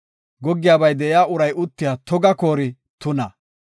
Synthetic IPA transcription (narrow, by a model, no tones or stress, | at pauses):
ɡɔɡːɪjaːbɐjd̪ɛjaːʊɾɐjʔʊt̪ːɪjaːt̪ɔɡɐkoːɾɪ | t̪ʊnɐ